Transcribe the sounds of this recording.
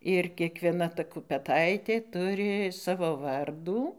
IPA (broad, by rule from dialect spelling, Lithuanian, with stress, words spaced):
ɪr kʲiɛkʋʲiɛˈnɐ ˈtɐ kʊpʲɛˈtɐɪtʲeː ˈtʊrʲɪ ˈsɑːʋoː ˈʋɐrduː